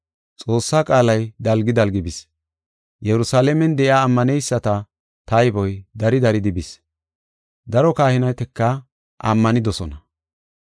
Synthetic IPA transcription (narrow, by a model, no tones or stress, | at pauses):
t͡sʼo̞ːsːaːkʼaːlɐjd̪ɐlɡɪd̪ɐlɡɪbɪs | jɛɾʊsaːlɛmɛnd̪ɛʔɪaːmːɐnɛjsːɐt̪ɐ | t̪ɐjbɔjd̪ɐɾɪd̪ɐɾɪd̪ɪbɪs | d̪ɐɾɔkaːhɪnɐjt̪ɛkːɐ | ʔɐ̰mːɐnɪd̪ɔsɔnɐ